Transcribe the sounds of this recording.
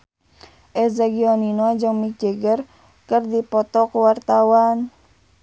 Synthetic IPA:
ʔɛzaɡiɔninɔd͡ʒəŋmik̚d͡ʒeɡər | kərdipɔt̪ɔkəwart̪awan

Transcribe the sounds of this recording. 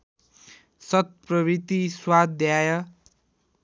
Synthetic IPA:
sʌt̪̚prʌbit̪iswad̪jajʌ

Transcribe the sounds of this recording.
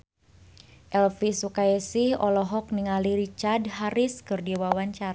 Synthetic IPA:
ʔɛlfisukaɛsihɔlɔɦɔk̚niŋaliɾit͡ʃardɦaɾiskɨrdiwawaɲt͡ʃara

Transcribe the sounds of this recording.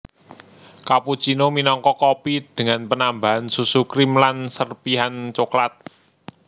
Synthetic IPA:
kaput͡ʃinominɔŋkɔkɔpid̪̥ə̤ŋanpənambaɦansusukɾimlansərpiɦant͡ʃoklat̪̚

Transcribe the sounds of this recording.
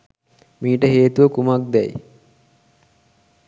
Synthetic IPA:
miːʈəɦeːt̪uʋəkumak̚d̪ɛj

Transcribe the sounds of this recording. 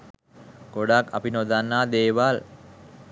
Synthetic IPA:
ɡ̥oɽaka̰pinod̪anːaːd̪eːʋal

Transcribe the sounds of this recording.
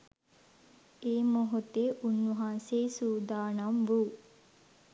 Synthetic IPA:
eːmoɦot̪eʔunːuɦaːseːsuːd̪aːnɐmʋuː

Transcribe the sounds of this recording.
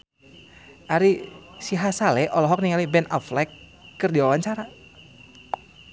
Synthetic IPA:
ʔaɾisiɦasalɛʔɔlɔɦɔk̚niŋalibɛna̰flɛkː | ərdiwawaɲt͡ʃaɾa

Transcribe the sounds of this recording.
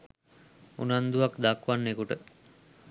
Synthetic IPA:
ṵnand̪uʋakd̪akʋanːekuʈə

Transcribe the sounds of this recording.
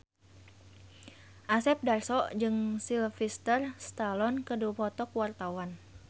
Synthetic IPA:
ʔasɛp̚darsɔʔd͡ʒɨŋsilfist̪ərst̪alɔnkəduapɔt̪ɔkwart̪awan

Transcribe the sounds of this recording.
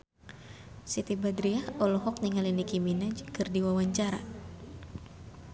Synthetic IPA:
sit̪ibad̪ɾiahɔlɔɦɔk̚niŋalinikiminad͡ʒkɨrdiwawaɲt͡ʃaɾa̰

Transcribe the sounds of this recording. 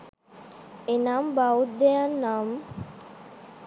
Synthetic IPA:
enambaut̪̚d̪ejanːam

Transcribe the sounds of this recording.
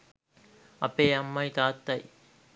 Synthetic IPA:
ɐpeːɐmːɐjt̪aːt̪ːɐj

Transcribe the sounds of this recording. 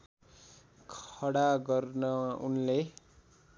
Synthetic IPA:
kʰʌɽaɡʌrnʌṵnle

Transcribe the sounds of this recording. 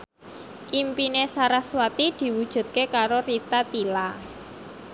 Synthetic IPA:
ʔimpinesaɾaswat̪id̪̥i̤wud̥ʒ̥ṳt̪̚kekaɾorit̪at̪ila

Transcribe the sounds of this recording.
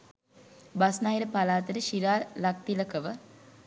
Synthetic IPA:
basnaːiɾəpalaːt̪əɾəʃiɾaːlak̚t̪iləkəʋə

